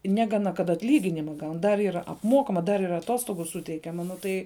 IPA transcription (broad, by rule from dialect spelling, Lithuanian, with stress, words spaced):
ˈnʲæːɡɐnɐ kɐt ɐtʲˈlʲiːɡʲɪnʲɪmɐ ˈɡɐʊn dɐr ˈiːr ɐpˈmoːkɐmɐ dɐr ɪr ɐˈtoːstoːɡʊ ˈsʊtʲɛɪkʲɛmɐ ˈnʊ tɐɪ